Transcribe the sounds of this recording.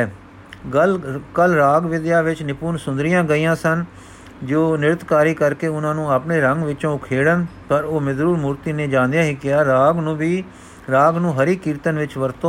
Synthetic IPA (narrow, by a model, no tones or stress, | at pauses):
kəlɾaːɡʋɪd̪jaːʋɪt͡ʃnɪpuːnsʊ̃nd̪ɾɪjãːɡəiːãːsən | d͡ʒoːnɪɾət̪kaːɾiːkəɾkeːʊnãːnũːaːpneːɾəŋɡʋɪt͡ʃõːkʰeːɽənpəɾoːmɪzɾuːɾmuːɾt̪iːneːd͡ʒãːnd̪ejãːɦikɪaːɾaːɡnũːʋiː | ɾaːɡnũːɦəɾiːkiːɾt̪ənʋɪt͡ʃʋəɾt̪õː